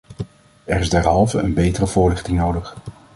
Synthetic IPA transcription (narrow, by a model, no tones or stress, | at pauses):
ɛɹɪzdɛɹɦɑlˠvəənbejtərəv̥ʊːɹlɪχtɪŋnowdəχ